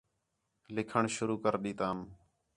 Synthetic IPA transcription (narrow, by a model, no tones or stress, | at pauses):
lɪkʰəɳʃʊɾuːkəɾɗ̪iːt̪aːm